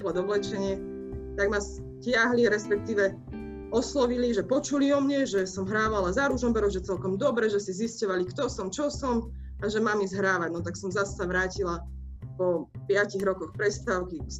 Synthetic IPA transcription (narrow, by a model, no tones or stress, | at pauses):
blɔd̪ɔʋlɛt͡ʃɛɲɪɛ | t̪aɡmas | cɪaɦliɾɛspɛk̚t̪iːʋɛ | ɔslɔʋiliʒɛpɔt͡ʃuliɔmɲɛʒɛsɔmɦɾaːʋalazaɾuʒɔmpɛɾɔʒɛt͡sɛlkɔmd̪ɔbɾɛʒɛsiziscɔʋalikt̪ɔsɔmt͡ʃɔsɔm | aʒɛmaːmizɦɾaːʋaɟnɔt̪aksɔmzasːaʋɾaːcila | pɔpɪaciɣɾɔkɔxpɾɛst̪aʊki